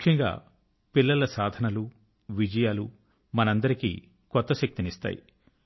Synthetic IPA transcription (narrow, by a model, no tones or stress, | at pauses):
mukʰjɐŋɡa̰ː | pilːɐlɐsaːd̪ʱɐnɐlu | ʋid͡ʒɐjaːlu | mɐnɐnd̪ɐɾikḭː | kɔt̪ːɐʃɐk̚t̪inist̪a̰ːjḭ